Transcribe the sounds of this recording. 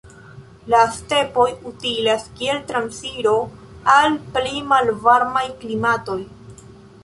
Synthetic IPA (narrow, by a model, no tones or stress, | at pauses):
laste̞po̞jutilaskie̞ltɾansiɾo̞ | alplimalvaɾmajklimato̞j